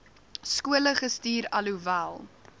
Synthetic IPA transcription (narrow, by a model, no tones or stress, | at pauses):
skuələχəstiːɾɐluvælˠ